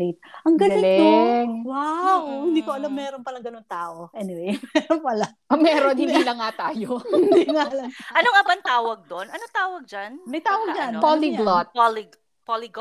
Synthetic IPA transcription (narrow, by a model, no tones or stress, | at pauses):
it̪̚ʔɐŋɡɐlɪlɛwawohɪ̃nd̪iːkoʔɐlamːɛːɾompɐlɐŋɡɐnoŋt̪aːʔo̞ʔɛnɪwejmɛɾonpɐlaʔɐmɛːɾonhɪ̃nd̪iːlɐŋːat̪aːjod̪iŋaɐlɐŋʔɐnoŋɪbaŋt̪aːwɐɡ̚d̪onʔɐnoŋt̪aːwɐɡ̚d͡ʒanmɐjt̪aːwɐɡ̚d͡ʒanpoliblɔt̪̚poliɡ | poliɡ